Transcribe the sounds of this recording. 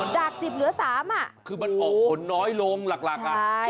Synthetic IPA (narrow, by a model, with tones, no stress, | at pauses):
t͡ɕaː˨˩k̚si˨˩p̚lɯ˨˩˦ɐsaː˨˩˦mʔa˨˩ʔkʰɯː˧ma˧nʔɔː˨˩kʰo˩˦nːɔː˦˥jlo˧ŋla˨˩k̚la˨˩ka˧˩